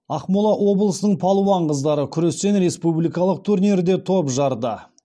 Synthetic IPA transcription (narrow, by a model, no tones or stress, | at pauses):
ɑqmulˠɑʔwo̞blˠəsənəɴpʰɑlˠuwɑɴqəzd̪ɑɾəkʲʰʏɾe̞st̪e̞nɾe̞spublijkɑlˠəq̚t̪ʰuɾniɾd̪e̞t̪ʰo̞pʒɑɾd̪ə